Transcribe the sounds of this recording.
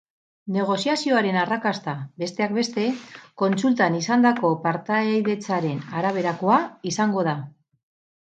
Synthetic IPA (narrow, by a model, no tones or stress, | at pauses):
ne̞ɣ̞o̞siasio̞aɾe̞narakast̪abe̞st̪e̞ak̚be̞st̪e̞ko̞nt͡sult̪anisand̪ako̞paɾt̪ajðe̞t͡saɾe̞naɾaβ̞e̞ɾako̞aisaŋɡo̞ð̞a